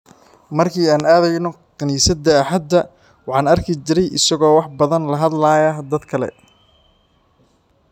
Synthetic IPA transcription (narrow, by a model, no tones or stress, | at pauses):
mɐrkʰiːaːnaːðɛjnɔ | qɐniːsɐd̪ɐːħɐd̪ːɐ | wɑħɑːnɐrkʰɪt͡ʃɪɾɛjʔɪsɐɣɔːwɑħbɐðɐnlɐɦɐd̪laːjɐd̪ɐd̪kʰɐlɛ̰